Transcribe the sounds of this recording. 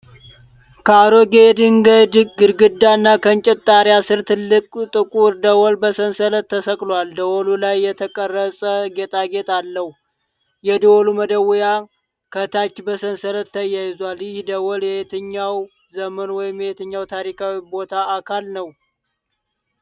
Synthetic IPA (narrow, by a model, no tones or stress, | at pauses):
kʰaɾoɡed̪ɨŋɡəd̪ɨkʼɡɨɾɡɨd̪ːanːakʰənt͡ʃʼɛt̪ʼːaɾjasɨɾt̪ʰɨlːɨkʼt̪ʼɨkʼuɾd̪əwɔlbəsənsələt̪ːəsəkʼlwald̪əwɔlulajːɛt̪ʰəkʼərːəsʼəɡet̪ʼaɡet̪ʼalːəhu | jɛd̪əwɔluməd̪əwja | kʰət̪ʰat͡ʃːbəsənsələt̪ːəjːajɪzwaljɪhd̪əwɔljɛjet̪ʰɨɲːaw | zəmənwɔjɪmjɛjet̪ʰɨɲːawt̪ʰaɾikʰawibo̞t̪ʰaːkʰalnəw